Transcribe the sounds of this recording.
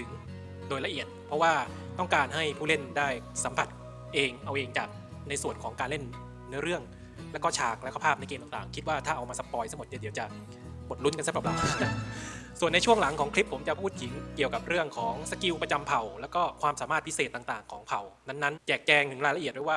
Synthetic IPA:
t̪ʰɯ˩˦ŋ | doː˧jla˧ʔi˨˩ət̪̚pʰɾɔ˦˥waː˥˩t̪ɔ˥˩ŋkaː˧nɦa˥˩jpʰuː˥˩le˥˩ndaː˥˩jsa˩˦mpʰa˨˩t̪̚ | ʔeː˧ŋʔa˧wʔeː˧ŋt͡ɕa̰ː˨˩k̚na˧jsu˨˩ənkʰɔː˩˦ŋkaː˧nle˥˩nː | ɯ˦˥əɾɯ˥˩əŋ | lɛ˦˥wkɔ˥˩t͡ɕʰaː˨˩k̚lɛ˦˥kʰa˧pʰaː˥˩na˧˩jkeː˧mt̪a˨˩ŋt̪aː˨˩ŋkʰi˦t̪̚waː˥˩t̪ʰaː˥˩ʔa˧wmaː˧sa˧pːɔː˧jt̪ʰa˥mo˨˩t̪̚ni˧˦˩di˩˦wt͡ɕa˨˩ | bo˨˩t̪̚lu˦˥nka˧nsa˦˥˩pɾpla̰˨˩˦a˧˩su˨˩ənːa˧jt͡ɕʰu˥˩əŋla˨˩˦ŋkʰɔː˩˦ŋkli˦˥pʰːo˩˦mt͡ɕa˨˩pʰuː˥˩t̪̚ji˨˩˦ŋki˨˩əwka˨˩p̚ɾɯ˥˩əŋkʰɔː˩˦ŋsa˧ki˧wpɾa˧t͡ɕa˧mpʰa˨˩wlɛː˦˥wkɔː˥˩kʰwaː˧msaː˩˦maː˥˩t̪̚ʰi˦˥seː˨˩t̪ːaː˨˩ŋt̪aː˨˩ŋkʰɔː˩˦ŋpʰa˨˩wna˦˥nːa˦˥nt͡ɕɛː˨˩k̚t͡ɕɛː˧ŋt̪ʰɯ˩˦ŋlaː˧jla˧ʔi˨˩t̪̚da˥˩waː˥˩

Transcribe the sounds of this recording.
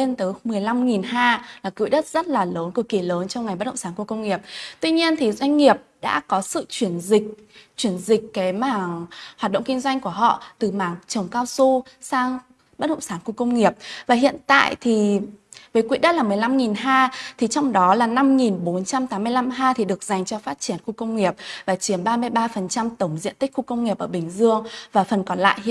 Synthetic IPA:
e˧nt̪əː˨˦jmɨ˨˩əjla˧mŋi˨˩nɦaː˧laː˨˩kwḭ˧˨ɗə˦˥t̚z̥ə˦˥t̚laː˨˩ləː˨˦nku˧˩əki˧˩ləː˨˦nt͡ɕɔ˧wŋ͡mŋa˨˩jɓ̚ɗə̰˧˨ŋ͡msaː˨˧˦nku˧˩əkə˧wŋ͡mŋi˨˩əp̚t̪wi˧ɲi˧ənt̪ʰi˨˩zwa˧jŋ̟ŋi˨˩əp̚ɗa̰ː˧˥kɔ˨˦sɨ̰˧˨t͡ɕwi˧˩ənzï˨˩k̚t͡ɕwi˧˩ənzï˨˩k̟̚kaː˨˦jmaː˧˩ŋɦhaː˨˩t̚ɗə̰˧˨ŋ͡mki˧ŋ̟zwa˧jŋ̟ku˧˩əɦɔ̰˧˨t̪ɨ˨˩maː˨˩ŋt͡ɕə˨˩wŋ͡mkaː˧wsu˧saː˧ŋ | ɓə˦˥t̚ɗə̰˧˨ŋ͡msaː˧˩nxu˧kə˧wŋ͡mŋi˨˩əp̚vaː˨˩ɦḭ˧˨ənt̪a̰ː˧˨jt̪ʰi˨˩vəː˨˦jkwi˨˦˥t̚ɗa̰˧˦˥laː˨˩mɨ˨˩əjla˧mŋi˨˩nɦaː˧t̪ʰi˨˩t͡ɕɔ˧wŋ͡mɗɔ˨˦laː˨˩na˧mŋi˨˩nɓo˨˦nt͡ɕa˧mt̪aː˨˦mːɨ˧əjla˧mɦaː˧t̪ʰi˨˩ɗɨ˨˩ək̚za˨˩jŋ̟t͡ɕɔ˧faː˦˥t̚t͡ɕi˧˩ənxu˧kə˧wŋ͡mŋi˨˩əp̚vaː˨˩t͡ɕi˨˦əmɓaː˧mɨ˧əjɓaː˧fə˨˩nt͡ɕa˧mt̪ə˧˩wŋ͡mzḭ˧ənt̪ï˦˥k̟̚xu˧kə˧wŋ͡mŋi˨˩əp̚ʔəː˧˩ɓï˨˩ŋ̟zɨ˧əŋvaː˨˩fə˨˩nkɔ˨˧˩nla̰ː˧˨j

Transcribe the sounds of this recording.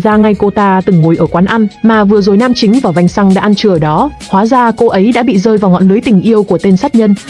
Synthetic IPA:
zaː˧ŋa˧jko˧t̪aː˧t̪ɨ˨˩ŋmu˨˩˦jʔəː˧˩kwaː˨˦nʔa˧nmaː˨˩vɨ˨˩əzo˨˩jnaː˧mt͡ɕï˨˦ŋ̟vaː˨˩wva˧jŋsa˧ŋɗa̰ː˧˥ʔa˧nt͡ɕɨ˧˩ə˨˩ɗɔ˨˦ | hwaː˨˦zaː˧ko˧ʔə˨˦jɗa̰ː˧˥ɓḭ˧˨zəː˧jvaː˨˩wŋɔ̰˧˨nlɨ˨˦jt̪ï˨˩ŋ̟ʔi˧əwku˧˩ət̪e˧nsa˦˥t̚ɲə˧n

